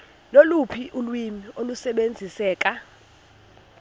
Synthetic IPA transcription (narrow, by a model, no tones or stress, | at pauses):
lolupʰiʔulwimiolusɛɓend͡zʱisɛːkʼa